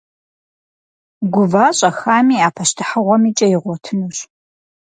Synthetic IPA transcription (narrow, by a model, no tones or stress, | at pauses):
ɡʷʊvaːɕʼɐxaːmiːaːpʰɐʃtʰɨħəʁʷɔmiːt͡ʃʼɐjɪʁʷɔtʰɨnuɕ